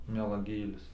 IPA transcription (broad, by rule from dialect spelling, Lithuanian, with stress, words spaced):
mʲɛlˠɐˈɡʲeːlʲɪs